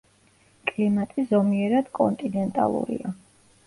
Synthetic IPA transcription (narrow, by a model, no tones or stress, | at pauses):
kʼlimat̪ʼizɔmiɛɾad̪̥kʼɔnt̪ʼinɛnt̪ʼa̰lˠṵɾḭa